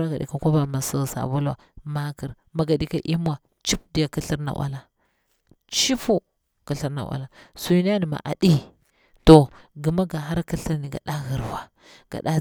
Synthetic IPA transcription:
ɾa˦ɡa˨dḭ˨ka˨ko˦ba˨ma˨sa˦˨sa̰˨bu˦lwa̰˨ma˦ki˨ɾ | ma˨ɡa˨di˦ka˦ʔi˦m˦a˨ | t͡ʃi˦p̚di˨ja˨ki˦ɬi˦ɾna̰˨wʔa̰˦la˨ | t͡ʃi˦fu˦ | ki˨ɬi˦ɾna̰˨wa̰˨la˨su˦ni˦a˦ni˨ma̰˨ʔa̰˨ɗi˦ | to˨ɡi˨ma˦ɡa˨ɦa˦ɾki˦ɬi˦ɾni˨ɡa̰˨ɗa˦ɣi˨ɾwa˨ | ɡ̥a̰˨ɗa˦

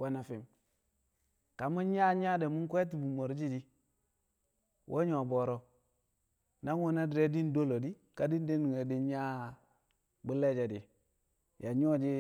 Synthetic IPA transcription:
wa˦na˨fi˨m | ka˨mu˦nɲa˦ɲa˦de˨mu˦ŋ˦kʷe˦t̬i˨bu˨mo˨ɾd͡ʒi˦di˦ | wʔo̰˦ɲo˨bo˨ɾɔ˦ | na˦ŋwu˦na˦di˨ɾe˦di˦n˦do˦lo˨di˦ | ka˨di˦n˦di˦ni˨e˨di˦nɲa˦ | bu˦le˦d͡ʒe˨di˨ | ja˨ɲo˦d͡ʒi˦

